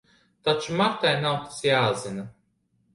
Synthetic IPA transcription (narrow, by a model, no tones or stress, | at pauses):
t̪at͡ʃumaɾt̪ajnawt̪i̥sjaːzina